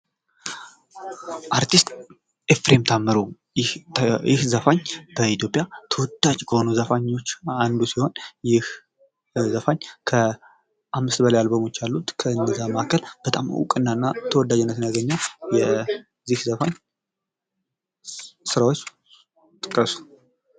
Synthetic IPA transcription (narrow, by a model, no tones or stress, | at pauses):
ʔaɾt̪ʰist̪ʼ | efɾemt̪ʰamːəɾu | jhjɪhzəfaɲːb̥əit̪jo̞pʼjat̪ʰəwɔd̪ːat͡ʃʼkʰəho̞nuzəfaɲːo̞t͡ʃːand̪usiho̞njɪh | zəfaɲːkʰə | ʔamːɨst̪bəlajalbəmot͡ʃːalːut̪kʰəɨnːəzamaakʰːəlb̥ət̪ʼa̰m̰wṵkʼɨnːaɨnːat̪ʰəwɔd̪ad͡ʒɛnːət̪ɨnjaɡəɲːawjɛ | zihzəfaɲː | sɨɾawot͡ʃː | t̪ʼɨkʼːəsu̥